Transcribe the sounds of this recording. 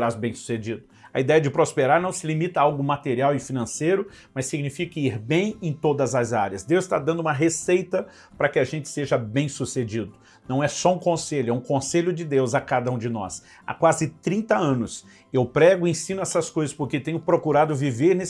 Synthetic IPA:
ɾazbẽj̃su̥sed͡ʒid̪ʊɐ̰id̪ɛjɐd͡ʒɪpɾospeɾaɾnɐ̃w̃sɪlimit̪ɐawɡʊmat̪eɾiawɪfinɐ̃sejɾʊ | mɐsːiɡnifikɐiɾbẽj̃ẽj̃t̪od̪ɐzɐzaɾjɐsd̪ewzɪ̥st̪a̰d̪ɐ̃nd̪ʊũmɐɦesejt̪ɐ | pɾɐkɪaʒẽnt͡ʃɪ̥seʒɐbẽj̃sused͡ʒid̪ʊ | nɐ̃w̃ɛsɔũkõseʎʊɛũkõseʎʊd͡ʒɪd̪ewzakad̪ɐũd͡ʒɪnɔ̰s | a̰kwazɪt̪ɾĩnt̪ɐɐ̃nʊs | ewpɾɛɡʊẽsĩnʊɛsɐskojzɐspʊɾket̪ẽɲʊpɾokuɾad̪ʊviveɾnes

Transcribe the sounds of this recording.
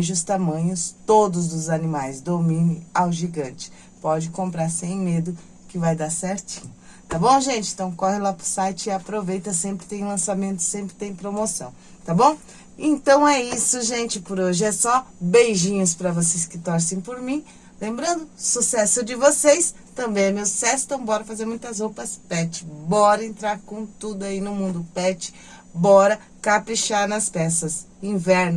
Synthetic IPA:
ʒʊst̪amɐ̃ɲʊst̪od̪ʊzd̪ʊzanimajzd̪omĩnɪawʒiɡɐ̃nt͡ʃɪ̥ | pɔd͡ʒɪkõmpɾaɾsẽj̃med̪ʊ | kɪvajd̪aɾsɛɾt͡ʃĩ̥ɲʊ | t̪abõw̃ʒẽnt͡ʃɪẽt̪ɐ̃w̃kɔhɪlapʊ̥sajt͡ʃɪɪapɾovejt̪ɐsẽmpɾɪt̪ẽj̃lɐ̃samẽnt̪ʊ̥sẽmpɾɪt̪ẽj̃pɾomosɐ̰̃w̃ | t̪abõw̃ | ẽnt̪ɐ̃w̃ɛisʊʒẽnt͡ʃɪpoɾoʒɪɛsɔbejʒĩɲʊspɾɐvosejskɪt̪ɔɾsẽj̃poɾmĩ | lẽmbɾɐ̃nd̪ʊsusɛsʊd͡ʒɪvosejs | t̪ɐ̃mbẽj̃ɛmewsɛst̪ɐ̃w̃bɔɾɐfazeɾmũj̃t̪ɐzhopɐspɛt͡ʃɪ̥bɔɾɐẽnt̪ɾaɾkõt̪ud̪ʊainʊmũnd̪ʊpɛt͡ʃɪ̥ | bɔɾɐ | kapɾiʃaɾnɐspɛsɐs | ĩvɛɾnʊ

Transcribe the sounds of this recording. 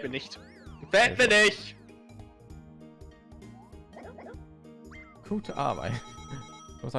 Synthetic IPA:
miɐnɪçt | fɛːt̚miːɐnɪçt | kʰuːtʰəʔa̰ɐba̰ɪt | z̥msa

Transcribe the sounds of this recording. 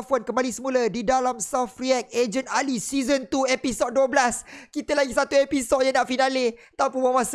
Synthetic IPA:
fonkəmbalisəmũlədidalamsafriɛk̚ed͡ʒənalisizənt̪uepisod̚duəblaskit̪əlaɡisat̪uepisod̚jaŋnaʔfinãlɪt̪apunwamas

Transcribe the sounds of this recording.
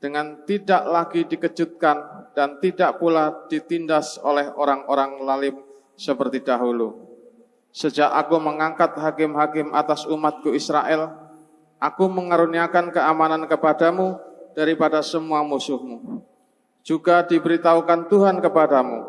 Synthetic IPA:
d̥əŋant̪idaʔlaɡidikəd͡ʒut̪̚kand̥ant̪idaʔpulad̥it̪indaso̰lɛhoɾaŋoɾaŋlalɪm | səpərt̪idaɦulu | səd͡ʒaʔakuməŋaŋkat̪̚ɦakɪmɦakɪmʔa̰t̪asumat̪̚kuisɾa̰ʔɛl | ʔakuməŋaɾuniakankəamanankəpadamud̥aɾipadasəmuamusʊhmu | d͡ʒuɡadibəɾit̪aukant̪uɦankəpadamṵ

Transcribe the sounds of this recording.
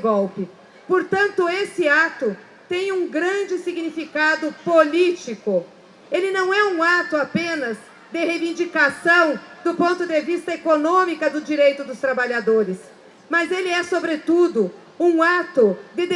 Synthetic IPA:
ɡɔwpɪ | poɾt̪ɐ̃nt̪ʊesɪat̪ʊ | t̪ẽj̃ũɡɾɐ̃d͡ʒɪsiɡnifikad̪ʊpolit͡ʃikʊ | elɪnɐ̃w̃ɛũat̪ʊapẽnɐz | d̪ɪhevĩnd͡ʒikasɐ̃w̃d̪ʊpõnt̪ʊd̪evist̪ɐekonõmikɐd̪ʊd͡ʒiɾejt̪ʊd̪ʊst̪ɾabaʎad̪oɾɪs | mɐzelɪɛsobɾet̪ud̪ʊ | ũat̪ʊd̪ɪd̪

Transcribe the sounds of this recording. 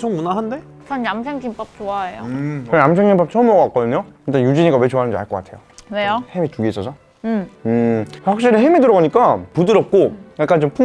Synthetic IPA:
sʰoŋmunaɦande̞ | t͡ɕʰʌnnamsʰeŋɡimp͈ʌp̚t͡ɕoaejo̰kɯɾʌnams̬ʰeŋɡimp͈ʌp̚t͡ɕʰʌmʌɡkak͈ʌdɯɲokɯnit͈anjud͡ʑiɲiɡawe̞t͡ɕoanɯnɲd͡ʑia̰ɭk͈ʌk͈a̰tʰe̞jonejohemituɡieis͈ʌsʰʌ | ɯɸwak̚ɕ͈iɾiɦemidɯɾʌɡaɲik͈apudɯɾʌp̚k͈okat̚k͈ant͡ɕompʰu

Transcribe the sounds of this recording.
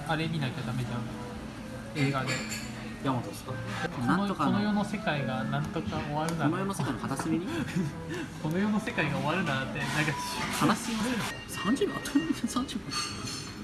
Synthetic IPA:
aɾemʲinaik̪ʲad̪amed͡ʑã | e̞ːɡad̪e̞ | jamot̪osoakk̪nookonojo̞no̞se̞kaiɡanãnt̪o̞kao̞βaɾɯ̟nanojonosekainoat̪asɨmʲiɲi | ko̞no̞jo̞no̞se̞kaiɡao̞βaɾɯ̟nat̪ːenakaanasi | sãɲd͡ʑɨat̪nsãɲd͡ʑɨba

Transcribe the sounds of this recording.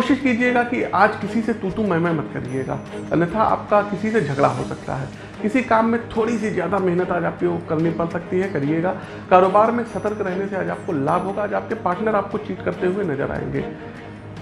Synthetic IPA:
koːʃɪʃkiːd͡ʒieɡakiaːd͡ʒkɪsiset̪uːt̪ũmɐɦmamɐt̪kɐ̰ɾid͡ʒeːɡa̰ːnɐt̪ʰaʔa̰ːp̚kakɪsised͡ʒʱɐɡɽaɦosɐk̚t̪a̰ɦɛː | kɪsikaːmːẽt̪ʰoːɽisezjaːd̪amɛɦnət̪aːd͡ʒaːp̚kiokɐɾnipɐlsɐk̚t̪iɦɛkɐɾieːɡaː | kaːɾoːbaːɾmẽsɐt̪əɾkɾɛɦneseaːd͡ʒaːp̚kolaːbʱɦoːɡaːd͡ʒaːp̚kepaːɾʈnəɾaːp̚kot͡ʃiːʈkɐɾt̪eɦʊenɐzə̰ɾa̰ːḛ̃ːŋɡḛː

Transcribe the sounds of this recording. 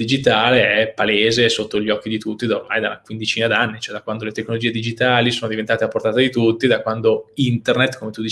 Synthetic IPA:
d̪id͡ʒit̪aːleɛpːaleːzesot̪ːoʎːɔk̟ːid̪it̪ut̪ːid̪aormajd̪aunakwind̪it͡ʃiːnad̪anːit͡ʃoɛd̪akwand̪olet̪ekːnolod͡ʒiːed̪id͡ʒit̪aːlisoːnod̪ivent̪aːt̪eapːort̪aːt̪ad̪it̪ut̪ːid̪akwand̪oint̪ernet̪komet̪ud̪i

